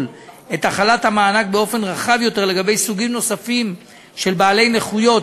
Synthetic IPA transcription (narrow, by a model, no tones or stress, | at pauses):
l | e̞t̪aχalathamaːnak̚be̞o̞fe̞nʁaχavjo̞te̞ʁle̞ɡabe̞jsuɡimno̞safim | ʃe̞lbaːle̞jne̞χujo̞t